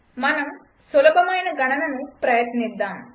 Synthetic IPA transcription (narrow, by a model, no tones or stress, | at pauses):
mɐnɐm | sʊlɐbɐmaːjnɐɡɐɳɐnɐnumpɾɐjɐt̪nɪd̪ːaːm